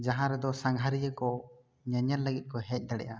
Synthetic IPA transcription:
d͡ʒaɦãɾɛd̪ɔsaŋɡʱaɾijəkɔ | ɲəɲaɾləɡit̪̚ˀkɔɦɛc̚ˀd̪aɽɛ̰ʔa

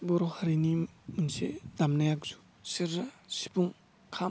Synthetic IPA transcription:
bɔɾɔhaɾinimunsedamnajak̚z̥u | siɾsi̥puŋ | kʰam

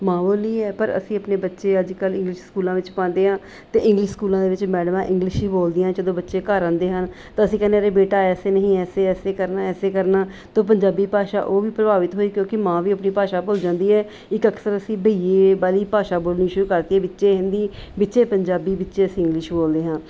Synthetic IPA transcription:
mãːboːliːɛːpəɾə̰sĩːəpneːbətːʃeːəd͡ʒkəlɪ̃ŋɡlɪʃskuːlãːʋɪt͡ʃpãːnd̪eːɦãː | t̪eːɪ̃ŋɡlɪʃskuːlãːd̪eːʋɪt͡ʃmɛːɽmãːʔɪ̃ŋɡlɪʃiːboːld̪ɪjãːd͡ʒəd̪õːbətːʃeːkəɾãːnd̪eːɦən | t̪aːəsĩːkəneaːɾeːbeːʈaːɛːseːnəɦĩːɛːseːɛːseːkəɾnaːɛːseːkəɾnaːt̪õːp̬əɲd͡ʒaːbiːpaːʃa̰ːʔoːʋiːpɾəbaːʋɪt̪ɦoːiːkjõːkɪmãːʋiːəpniːpaːʃaːboːld͡ʒãːnd̪iːɛː | ɪkəksəɾəsĩːbʱəiːeːbaːliːpaːʃaːboːlniːʃʊɾuːkəɾd̪iːɛːbɪtːʃeːɦɪ̃nd̪iːbɪtːʃeːpəɲd͡ʒaːbiːbɪtːʃeːəsĩːɪ̃ŋɡlɪʃboːld̪eːɦãː

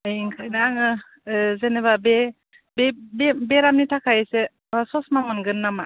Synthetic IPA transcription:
ajiŋkʰajnaːŋɯ | zeneβabe | bebebeɾamnitʰakʰajese | asɔsmamɯnɡɯnːama

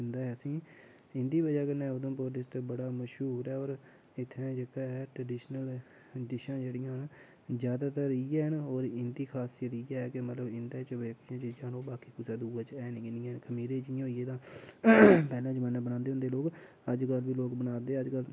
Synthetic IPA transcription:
ɪnd̪aːɦɛəsĩː | ɪ̃nd̪iːbəd͡ʒaːkənãːʊd̪õːpʊɾd̪ɪsʈbəɽaːməʃɦuːɾɛːoːɾ | ɪt̪ʰːẽːd͡ʒekaːɛʈɾəɖiːʃnəl | ɖɪʃãːd͡ʒeːɽijãːɦn | zjaːd̪aːt̪əɾiːɛːɦənoːɾɪnd̪iːkʰaːsijət̪ijɛːɛːkɪmət̪ləbɪnd̪aːt͡ʃʋəd͡ʒːkɪʃãːt͡ʃəd͡ʒaːɽoːbaːkiːkʊsaːd̪uːaːt͡ʃɛːniɡɪnĩːɛːnkʰəmiːɾeːd͡ʒɪjãːɦoːieːt̪ãː | pɛːlãːt͡ʃəmɛːnãːbənãːnd̪eːʊ̃nd̪eːloːk | əd͡ʒkəlʋiːloːkbənaːd̪eːəd͡ʒkəl

